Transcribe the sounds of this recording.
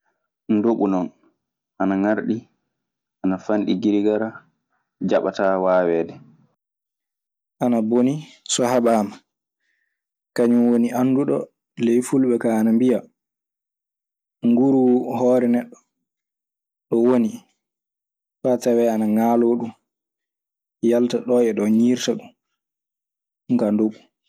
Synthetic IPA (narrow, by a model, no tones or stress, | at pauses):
ndoɓunɔn | ʔanaŋaɾɗi | ʔanafanɗiɡiɾiɡaɾa | d͡ʒaɓataːwaːwɛːdɛ | ʔanaboni | sɔhabaːma | kaɲumwoniʔanːduɗɔ̰ | lɛjfulɓɛkaːnambija | ŋɡuɾuhɔːɾɛnɛɗːɔ̥ | ɗɔwoni | fatawɛanaŋaːloːɗum | jaltaɗɔʔɛɗɔɲiːɾtaɗum | ŋkandoɓu